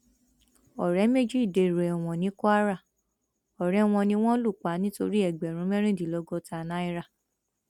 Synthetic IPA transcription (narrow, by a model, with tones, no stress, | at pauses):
ɔ˨ɾɛ˨˦me˦d͡ʒi˦i˦˨de˨˧˨ɾɛ˨ɛ˨w̃ɔ̃˨nĩ˨˦kɔ˦a˦ɾa˦˨ | ɔ˨ɾɛ˦w̃ɔ̃˧nĩ˧w̃ɔ̃˦lu˦˨k͡pa˨˦nĩ˦to˧ɾi˦ɛ˦˨ɡ͡bɛ˨ɾ̃ũ˨˦mɛ̃˦ɾ̃ĩ˦˨di˨lɔ˧˦ɡɔ˧ta˧˨nã˦i˦˧ɾa˦˨